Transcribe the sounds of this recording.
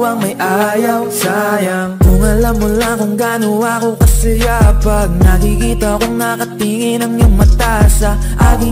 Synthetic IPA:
wɐŋmɐjʔaːjɐwsajɐŋkʊŋɐlamːʊlaŋkʊŋɡaːnowakokɐsɐjapɐɡ̚nɐkɪkiːt̪ɐkoŋnɐkɐt̪iŋɪnɐŋjʊŋmɐt̪asɐʔaːɡɪ

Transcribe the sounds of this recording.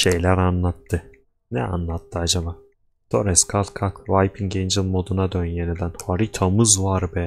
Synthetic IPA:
ʃe̞jlʲæɾanlˠat̪ʰːɯ | nɛ̰a̰nlˠat̪ʰːɯad͡ʒabaː | d̪̥o̞ɾɛskʰalʲˠkʰakvajpʰinɟend͡ʒɯlˠmo̞d̪unad̪ønjened̪ænhaɾit̪ʰamɯzvaɾbɛ

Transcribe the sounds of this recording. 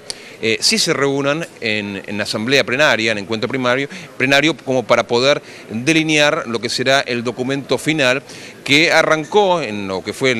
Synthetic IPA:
esise̞reunanen̰nasambleaplenaɾjaneŋkwent̪ɾopɾimaɾjoplenaɾjo̞ko̞mopaɾapo̞ðeɾ | d̪e̞linjaɾlo̞keseɾaʔeld̪o̞kumẽnt̪o̞finalkearaŋkoenloke̞fwe

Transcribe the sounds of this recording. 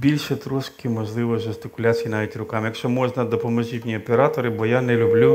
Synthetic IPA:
bʲilʲʃɛt̪ɾuskʲimɔʒlˠɪʋɔʒʊst̪ɪkʊlʲat͡sʲijinɑʋʲitʲrʊkɑmjɐkʃt͡ʃɔmɔʒnɐd̪ɔpɔmɔʒitʲnʲiɔpeɾɑt̪ɔɾɪbɔjanɛlʲʊblʲu

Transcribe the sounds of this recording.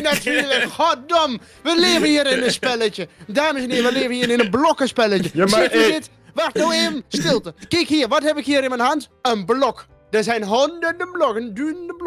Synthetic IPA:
natyːləkxɔdɔm | ʋəleːvənhiːəɾɪnənspɛlət͡ʃədaːməsɛnhɪːɾəʋəleːvənhiːəɾɪnənblɔkəspɛlət͡ʃəsɛtynɪt | ʋartnoweːvənstɪlˠtəkɪkhiːrʋɔthɛpɪkhiːəɾɪnmənɦɑntənblɔk | d̥əsɛjnɦɔndərdəblɔkəndynəndəb

